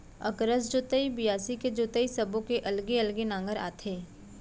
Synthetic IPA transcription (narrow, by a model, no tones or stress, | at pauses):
ɐ̰kɾəsd͡ʒoːt̪əibijaːsiked͡ʒoːt̪əisɐbõkeʔɐlɡiɐlɡenãːŋɡəɾa̰ːt̪ʰeː